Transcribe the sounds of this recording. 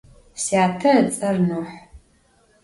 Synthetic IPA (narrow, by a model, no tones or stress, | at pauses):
siaːtʰɐt͡sʼɐrnoːħ